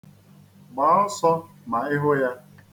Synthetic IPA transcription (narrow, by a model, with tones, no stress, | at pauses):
ɡ͡ba˨˦ʊ˦sɔ˦ | ma˨ɪ˦ɦʊ˦ja˦